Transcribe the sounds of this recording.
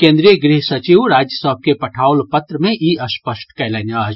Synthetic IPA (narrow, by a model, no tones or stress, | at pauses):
kẽːnd̪ɾijəɡɾiɦsɐt͡ʃiʋɾaːd͡ʒjəsəɦb̚kepɐʈʰaːʊlpɐt̪ɾəmẽʔiɐspəʃʈkɛlɐnaːd͡ʒ